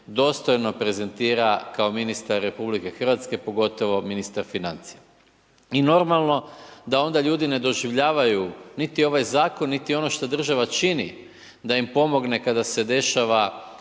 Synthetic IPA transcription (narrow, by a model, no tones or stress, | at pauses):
d̪o̞ːst̪o̞jno̞pɾe̞ze̞nt̪iːɾakaominist̪aɾːe̞publike̞xr̩ʋat̪ske̞po̞ɡo̞t̪o̞ʋo̞minist̪aɾfinant̪sija | ino̞ɾmalˠno̞d̪ao̞nd̪aʎuːd̪ine̞d̪o̞ʒiʋʎaːʋajunit̪io̞ʋajzaːko̞nːit̪io̞no̞ʃt̪od̪r̩ʒaʋat͡ʃinḭ | d̪aimpo̞mo̞ɡne̞kad̪ase̞d̪e̞ʃaʋa